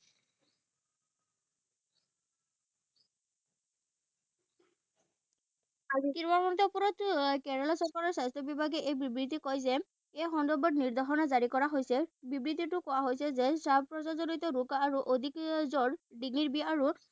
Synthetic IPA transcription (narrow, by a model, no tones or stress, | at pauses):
azikinbamɔntɔpuɹɔtkɛɹɛlasɔɹkaɹɔɹsajstʰɔbibʱaɡɛʔejbibɹit̬ikɔjzɛ | ejxɔndɔbɔtniɹd̪ʱaɦɔnɔzaɹikɔɹaɦojsɛbibɹit̪itʊkɔwaɦojsɛzɛsabpɹɔzazɔlit̪ɔɹukːɹuʔod̪ʱikzɔɹdiŋiɹbiaɹu